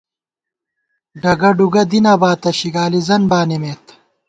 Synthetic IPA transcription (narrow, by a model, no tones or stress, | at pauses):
ɖɐɡɐɖuɡɐd̪inaːbaːt̪ɐɕiɡaːlizɐnbaːnimeːt̪